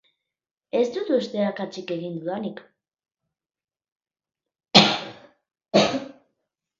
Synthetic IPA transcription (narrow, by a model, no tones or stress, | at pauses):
e̞st̪ut̪ust̪e̞akat͡sike̞ɣind̪uðanik